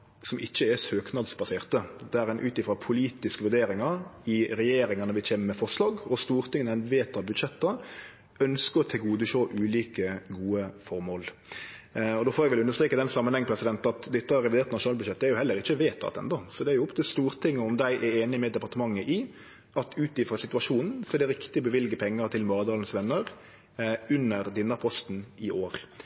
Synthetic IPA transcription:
sɔmɪçːəɛsøːknɑd̪sbɑseːʁt̪əd̪ɛæɾɛɪnʔʉːt̪ɪfɾɑpʰʊliːt̪ɪskəʋʉɾd̪eːɾɪŋəɾɪɾɛjeːɾɪŋənəʋɪçʰeːməmɛfɔʁʂlɑːɡɔst̪uːɾt̪ʰɪŋːənæɪnʋeːt̪ɑbʉd̪ʃɛt̪ːə | œnskəɾɔt̪ʰɪlɡuːd̪əʃoːʔʉːliːkəɡuːəfɔɾmoːl | ɔd̪oːfɔɾɛɡʋɛlʉndəɾst̪ɾeːkəd̪ɛnsɑmːənhɛŋːəpʰɾɛsɪd̪ɛnt̪ɑt̪d̪ɪt̪ːəɑɾɛʋɪdeːɾt̪nɑʃʊnɑlbʉd̪ʃɛt̪ːæɾjʊhɛlːəɾɪçːəʋeːt̪ɑ̰t̪ɛ̰nd̪ɔsɔd̪ɛæɾjʊɔpt̪ʰɪlst̪uːɾt̪ʰɪŋːəɔmd̪æɪʔɛeːnɪmɛd̪ɛpɑɾt̪əmɑŋːəʔɪ | ʔɑt̪ʰʉːt̪lɪfɾəsɪt̪ʉɑʂuːnn̩sɔɛɾdɖɛɾɪkt̪ɪɔbəʋɪlɡəpʰɛŋːəɾt̪ʰɪlmɑːd̪ɑːln̩sʋɛnːəɾ | ʉnːəɾd̪ɪnːɑpʰɔst̪n̩ɪʔoːɾ

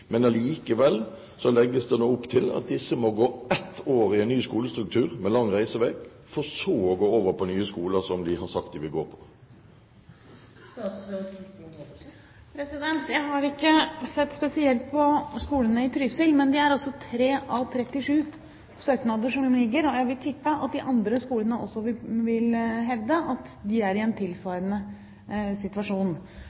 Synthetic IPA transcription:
mɛnɑliːkəʋɛlː | sɔlɛɡːəsd̪ɛnuːʊpːt̪ʰɪlɑ̰t̪̚d̪ɪsːəmɔɡoːɛt̪ʰːoːɾɪɛnnyːskuːləst̪ɾʉk̚t̪ʰʉːʁmɛlɑŋːʁæɪsəʋɛk | fɔsɔːɔɡoːoːʋəɾpʰɔnyːəskuːləsɔmd̪ɪɦɑsɑk̚t̪̚d̪ɪʋɪɡoːɾpʰɔ̥ | st̪ɑskʰɾɪst̪ː | pʰɾɛsɪd̪ɛnt̪jæɪɦɑɾɪkːəsɛt̪ːspɛsɪɛlt̪̚pʰɔskuːlənəɪt̪ʰɾʏsəlmɛnd̪ɪæɾɑsɔt̪ʰɾeːʔɑʋt̪ʰɾɛt̪ːɪʂʉː | søːk̪nɑd̪əʂɔmlɪɡːəɾɔjæɪʋɪlt̪ʰɪpːəʔɑt̪̚d̪ɪʔɑnd̪ɾəskuːlənəʔɔ̰sːɔʋɪʋɪlɦɛʋd̪əʔɑt̪d̪ɪæɾɪɛnt̪ʰɪlsʋɑːɾənə | sɪt̪ʋɑʂuːn

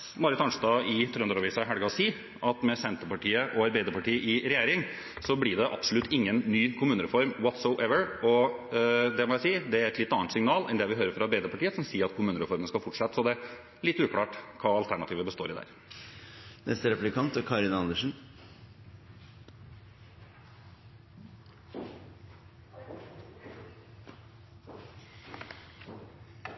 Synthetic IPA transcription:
mɑɾət̪ɑnʂt̪ɑɪt̪ʰɾʉnd̪ɾɑʋiːsɑɦæɽɡɑɔsiː | ʔɑt̪mɛsɛnt̪əɾpɑʈiːəʔɔɑɾbæɪd̪əɾpɑʈiːəʔɪɾɛjeːɾɪŋ | sɔblɪɖɛʔɑ̰bsɔlʉt̪ʰːɪŋːənːyːkʰʊmʉːnəɾɛfɔɾmwɔt̪soʊʔɛʋəɹɔ | d̪ɛmɔjæsiːd̪ɛæɾɛt̪lɪt̪ːɑnːənt̪sɪŋnɑːlɛ̰nd̪ɛʋɪɦøːɾəɾfɾɑɑɾbæɪd̪əpʰɑʈiːəsɔmsiːəɾɑt̪̚kʰʊmʉːnəɾɛfɔɾmənəskɑfʊʈʂɑt̪ːsɔd̪ɛ | lɪt̪ːʉːkʰlɑːʈkʰɑːɑlt̪ʰæɳɑt̪ʰiːʋəbəst̪oːɾɪd̪æ̰ːɾ | nʔɛ̰st̪əɾɛplɪkʰɑnt̪ɔkʰɑːɾɪnɑnd̪əʂn̩

